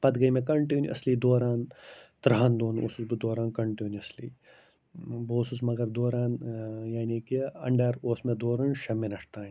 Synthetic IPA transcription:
pɐd̪ɡɐimẽkɐɳʈiːnjuɐ̰slid̪oːɾaːnt̪ɾaːnd̪oːno̰susbɨd̪oːɾaːnkɐɳʈiːnuɐsliː | boːsusmɐɡɐɾd̪oːɾaːnjaːniːkiɐɳɖɐɾoːsmẽd̪oːɾuːnʃɐmːẽnɐʂt̪aːn

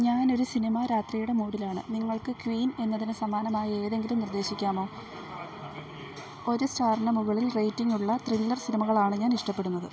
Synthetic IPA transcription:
ɲaːno̞ɾusinimɐɾaːt̪rijuɽe̞muːɽilaːɳɨ̰niŋːɐɭkɨkʋiːne̞nːɐðinɨsɐmaːnɐmaːjɐe̞ːðe̞ŋɡilumnird̪e̞ːɕikʲːaːmo̞ː | o̞ɾustaːɾɐɳɐmuɣɐɭilrejtːiŋːuɭːɐt̪rilːɐrsinimɐɣɐɭaːɳɨɲaːniʂʈɐpːe̞ɽunːɐðɨ

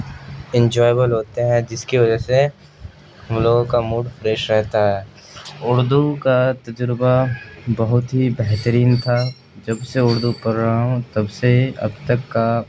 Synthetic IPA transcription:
ɪ̃nd͡ʒɔːjbəlɦoːt̪eɦɛ̃d͡ʒɪskiʋɐd͡ʒəɦse | ɦɐmloːɡõkamuːɖfɾeːʃɾɛɦt̪aɦɛː | ʊɽd̪ukat̪ɐd͡ʒəɾbabɐɦʊt̪ɦibɛɦt̪əɾiːnt̪ʰa | d͡ʒɐbseʊɽd̪ukɐɾɾɐɦaɦõt̪ɐbseɐ̰bt̪ɐkːa

